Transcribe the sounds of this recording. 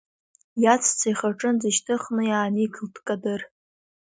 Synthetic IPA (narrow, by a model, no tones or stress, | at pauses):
jat͡sʰt͡sʰajχaʈ͡ʂʼɨnd͡zɨʃtʰɨχnɨjaːnikʰɨltʰkʼadɨr